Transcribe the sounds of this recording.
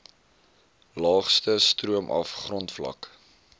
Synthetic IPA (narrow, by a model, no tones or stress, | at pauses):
lɑːχstəstruəmʔɐ̰fχrɔntflɐ̰k